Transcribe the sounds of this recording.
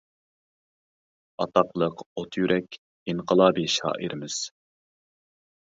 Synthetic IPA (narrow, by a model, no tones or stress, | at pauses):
ɑt̪ɑqlˠəqot̪ʰjyɾʔɛkʲ | iŋqəlˠɑːbiʃɑ̰ːʔiɾʔɪmɪz̥